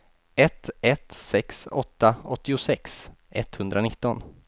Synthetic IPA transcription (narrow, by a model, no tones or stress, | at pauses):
ɛt̪ɛt̪sɛksɔ̰t̪ːaɔt̪ːɪʊsɛksʔɛt̪ːhɵnd̪ɾanɪt̪ːɔn